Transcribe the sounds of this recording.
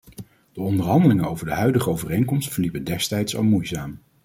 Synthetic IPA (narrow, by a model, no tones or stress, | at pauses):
d̥əɔndəɹɦɑndəlɪŋənowvəɹdəɦœɥdəχəowvərejnkɔmstfəɹlipəndɛstɛjtsɑ̰lˠmujzaːm